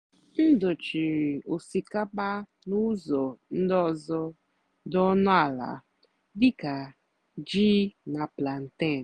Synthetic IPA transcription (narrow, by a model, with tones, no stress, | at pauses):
n̩˦do˨t͡ʃi˨ɾi˨o˨si˨ka˦k͡pa˦ | nʊ˦zɔ˨n̩˦dɔ˨zɔ˦ | dɔ˦nʊ˦a˨la̰˨ | dɪ˦ka˨ | d͡ʒi˦na˨pla˨n̩˨te˦˨n˨